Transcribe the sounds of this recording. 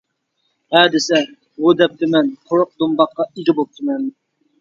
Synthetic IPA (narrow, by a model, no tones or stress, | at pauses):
hɛːd̪ɪsɛ | bud̪ɛp̚t̪ʰɪmɛnqʰoɾʊq̚d̪ombɑqːɑiɡʲibop̚t̪ʰɨmɛn